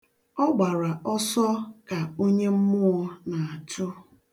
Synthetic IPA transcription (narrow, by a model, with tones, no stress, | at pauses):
ɔ˦ɡ͡ba˨ɾa˨ʔɔ˦sɔ˦ka˨o˦ɲe˦m̩˦mʊ˦ʊ˦na˨a˨tʊ˦